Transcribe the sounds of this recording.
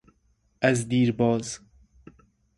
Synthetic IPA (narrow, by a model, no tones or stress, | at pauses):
ɐzd̪iːɾbɔːz